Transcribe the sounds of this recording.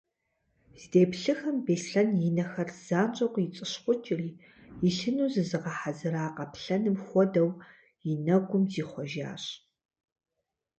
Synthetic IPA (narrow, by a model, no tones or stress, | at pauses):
z̥ideːpɬɨxɐmbeːsɬɐnjɪnɐxɐrz̥aːnt͡ʃʼɐqʷʼjɪt͡sʼɨɕχʷʊt͡ʃʼɪriː | jɪɬɨnuːzɨzɨʁɐħazɨɾaːqɐpɬɐnɨmxʷɔdɐw | jɪnɐɡʷʊmziːχʷɔʒa̰ːɕ